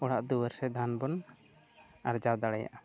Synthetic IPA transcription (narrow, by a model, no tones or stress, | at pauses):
ɔɽaʔd̪uwəɾsɛd̪ʱanbɔn | a̰ɾd͡ʒawd̪aɽɛja̰ʔa